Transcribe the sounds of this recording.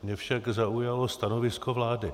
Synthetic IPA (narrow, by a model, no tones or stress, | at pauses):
mɲɛfʃaɡzaujalo̞st̪ano̞vɪskovlaːdɪ